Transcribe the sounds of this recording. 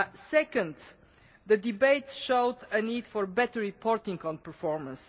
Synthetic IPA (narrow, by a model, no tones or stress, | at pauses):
sɛkə̃nd̪ | d̪əd̪ibeɪt̪ʃoʊd̪əniːd̪fɔɹbɛt̪əɹːipʰɔɾt̪ĩŋkɔ̃npəɾfɔɹmə̃ns